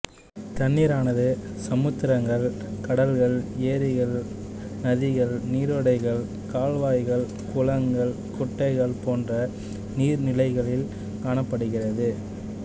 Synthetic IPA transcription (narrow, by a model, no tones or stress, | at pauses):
t̪ɐnːiːɾaːnɐðɯsɐmɯt̪ːɪɾɐŋɡɐɭ | kɐɽɐlɣɐɭeːɾɪɣɐɭ | nɐðɪɣɐɭniːɾʋɐɽɐɪɣɐɭ | kaːɭʋaːjɣɐɭ | kʊlɐŋɡɐɭ | kʊʈːɐɪɣɐɭpoːndrɐ | niːɾnɪlɐɪɣɐɭɪl | kaːɳɐpːɐɽɯɣɪrɐðɯ